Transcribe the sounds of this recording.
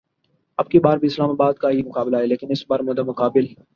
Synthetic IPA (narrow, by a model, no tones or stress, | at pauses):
ɐb̚kibaːɾbʱiɪslaːmaːbaːd̪kaɦimʊkaːblaɦɛːleːkɪnɪsbaːɾmʊd̪amʊkaːbɪl